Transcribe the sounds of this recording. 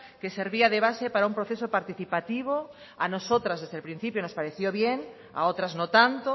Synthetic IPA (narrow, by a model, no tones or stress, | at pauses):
keseɾβiaðeβ̞asepaɾaumpɾoθesopaɾt̪iθipat̪iβ̞o | anosot̪ɾazðezðelpɾin̟θipjonospaɾeθjoβjeŋ | a̰ot̪ɾaznot̪ant̪o